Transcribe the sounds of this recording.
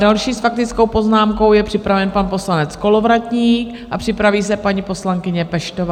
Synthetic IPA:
dalʃiːsfak̚t̪ɪt͡sko̞wpo̞znaːmko̞wjɛpr̥ɪpɾavɛnpanpo̞slanɛt͡sko̞lo̞vɾat̪ɲiːk | ʔapr̝̥ɪpɾaviːsɛpaɲipo̞slaŋkɪɲɛpɛʃt̪ova

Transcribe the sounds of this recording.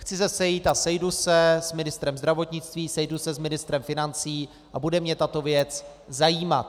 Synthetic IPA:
xt͡sɪzɛsɛjit̪asɛjdusɛsmɪnɪst̪ɾɛmzd̪ɾavo̞t̪ɲɪt͡st̪viːsɛjdusɛzmɪnɪst̪ɾɛmfɪnant͡siː | ʔabudɛmɲɛt̪at̪o̞vjɛt͡s | zajiːma̰t̪̚

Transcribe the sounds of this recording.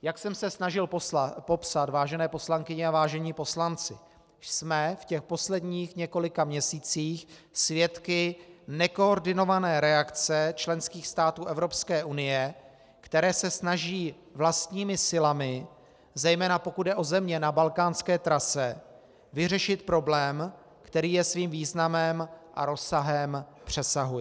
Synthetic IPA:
jaksɛmsɛsnaʒɪlpo̞psat̪vaːʒɛnɛːpo̞slaŋkɪɲɛavaːʒɛɲiːpo̞slant͡sɪ̰ | smɛfcɛxpo̞slɛdɲiːxɲɛko̞lɪkamɲɛsiːt͡siːxsvjɛt̪kɪnɛko̞oɾdɪno̞vanɛːɾɛakt͡sɛt͡ʃlɛnskiːxst̪aːt̪uːʔɛvɾo̞pskɛːʔunɪjɛ | kt̪ɛɾɛːsɛsnaʒiː | vlast̪ɲiːmɪsɪlamɪ | zɛjmɛːnapo̞kud̪dɛʔo̞zɛmɲɛnabalkaːnskɛːt̪ɾasɛ | vɪrɛʃɪt̪pɾo̞blɛːm | kt̪ɛɾiːjɛsviːmviːznamɛmʔa̰ɾo̞saɦɛmpr̝̥ɛsaɦuj

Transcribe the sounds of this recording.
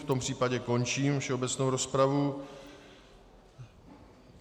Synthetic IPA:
ft̪ompr̝̥iːpaɟɛko̞nt͡ʃiːmfʃɛobɛt͡snowɾospɾavu

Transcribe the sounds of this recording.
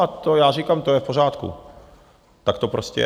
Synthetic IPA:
at̪ojaːriːkamt̪o̞jɛfpo̞raːt̪kṵ | t̪akt̪o̞pɾoscʲɛ̰

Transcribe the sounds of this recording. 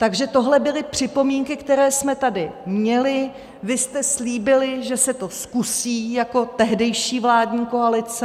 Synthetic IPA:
t̪aɡʒɛt̪o̞ɦlɛbɪlɪpr̝̥ɪpo̞miːŋkɪkt̪ɛɾɛːsmɛt̪adɪmɲɛlɪ | vɪst̪ɛsliːbɪlɪʒɛsɛt̪o̞skusiːjako̞t̪ɛɦdɛjʃiːvlaːdɲiːko̞alɪt͡sɛ

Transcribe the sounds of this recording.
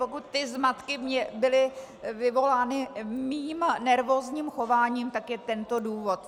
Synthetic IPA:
pokut̪ːɪzmat̪kɪmɲɛbɪlɪ | vɪvo̞laːnɪmiːmnɛɾvo̞ːzɲiːmxo̞vaːɲiːmt̪akjɛt̪ɛnt̪o̞duːvo̞t̪

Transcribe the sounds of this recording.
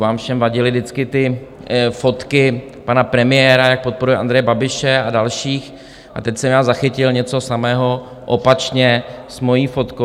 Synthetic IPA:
vaːmfʃɛmvaɟɪlɪdɪt͡skɪt̪ɪ | fo̞t̪kɪ | panapɾɛmɪjɛːɾajak̚po̞t̪̚po̞ɾujɛa̰nd̪ɾɛjɛbabɪʃɛadalʃiːx | ʔa̰t̪ɛcsɛmjaːzaxɪcɪlɲɛt͡so̞samɛːɦo̞ | ʔopat͡ʃɲɛsmo̞jiːfo̞t̪ko

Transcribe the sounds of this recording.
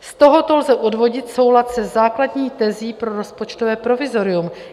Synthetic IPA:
st̪o̞ɦo̞t̪o̞lzɛʔo̞dvo̞ɟɪt̪so̞wlat̪sɛzzaːkladɲiːt̪ɛziːpɾo̞ɾo̞spo̞t͡ʃt̪ovɛːpɾo̞vɪzo̞ɾɪum

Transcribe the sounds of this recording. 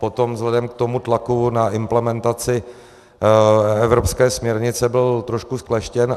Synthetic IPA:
pot̪o̞mvzlɛdɛmkt̪omut̪lakunaʔɪmplɛmɛnt̪at͡sɪ | ɛvɾo̞pskɛːsmɲɛɾɲɪt͡sɛbɪlt̪ɾoʃkusklɛʃcɛn

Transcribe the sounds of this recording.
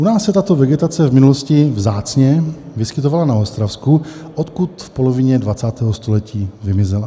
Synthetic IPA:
ʔunaːsːɛt̪at̪o̞vɛɡɛt̪at͡sɛvmɪnuloscɪvzaːt͡sɲɛvɪskɪt̪ovalanaost̪ɾafskuʔot̪kut̪fpolovɪɲɛdvat͡saːt̪ɛːɦost̪olɛciːvɪmɪzɛla

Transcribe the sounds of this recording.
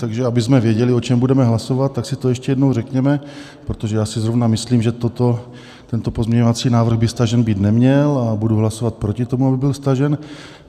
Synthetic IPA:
t̪aɡʒɛabɪzmɛvjɛɟɛlɪo̞t͡ʃɛmbudɛmɛɦlaso̞vat̪̚ːaksɪt̪ojɛʃcɛjɛdnowrɛkɲɛmɛ | pɾot̪oʒɛjaːsɪzɾovnamɪsliːmʒɛt̪ot̪o | t̪ɛnt̪o̞po̞zmɲɛɲovat͡siːnaːvr̩ɣbɪst̪aʒɛnbiːt̪nɛmɲɛlabuduɦlaso̞vat̪̚pɾo̞cɪt̪o̞muabɪbɪlst̪aʒɛn

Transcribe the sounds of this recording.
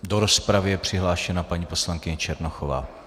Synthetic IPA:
doɾospɾavɪjɛpr̝̥ɪɦlaːʃɛnapaɲiːposlaŋkɪɲɛt͡ʃɛɾnoxova̰ː

